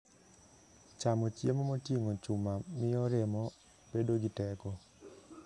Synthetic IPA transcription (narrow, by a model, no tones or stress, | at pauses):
t͡ʃamot͡ʃjemomotjiŋot͡ʃumamɪɔɾɪmɔ | b̥edoɡɪtɛkɔ